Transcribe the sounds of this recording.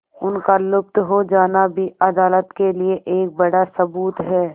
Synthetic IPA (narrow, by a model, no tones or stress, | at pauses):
ʊnkalʊp̚t̪ɦod͡ʒaːnabʱiɐd̪aːlət̪kelieʔeːk̚bɐɽasɐbuːt̪ɦɛː